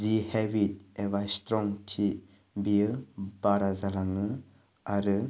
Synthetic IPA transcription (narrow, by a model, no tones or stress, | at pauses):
zihebit̚eβajstɾɔŋtʰi | bijɯb̥aɾazalaŋɯ | aɾɯ